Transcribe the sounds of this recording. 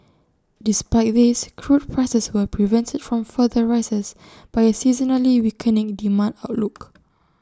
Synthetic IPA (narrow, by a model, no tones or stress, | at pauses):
dispaɪt̚ðiskʰɹut̚pʰɹasɛswəpɹivɛ̃ntʰədfɹɔ̃mfəðəɹajsəs | b̥ajəsizənəliwikʰənĩŋdimãndaʊtluk